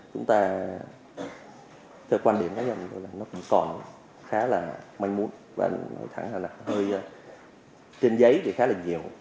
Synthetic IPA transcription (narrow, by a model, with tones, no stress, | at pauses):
t͡ɕʊ˨˦ŋ͡mt̪aː˧ | t̪ʰɛː˧wkwaː˧nɗi˧˩əmkaː˨˦zə˨˩˨zo̰˧˩jlaː˨˩nɔ˨˦kʊ̰˧˥ŋ͡mkɔ˨˩n | xaː˨˦laː˨˩ma˧jŋmu˨˦ənva̰ː˨˩ʔŋnɔ̰˨˧˦jt̪ʰa̰˧˩ŋlaː˨˩na˨˩˨həː˧j | t͡ɕe˧nzə˨˦jt̪ʰi˨˩xaː˨˦laː˨˩ɲi˨˩əw